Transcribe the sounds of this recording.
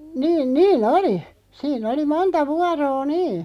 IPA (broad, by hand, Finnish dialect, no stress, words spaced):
niːn niːn oli siːn oli montɑ ʋuɑroː niː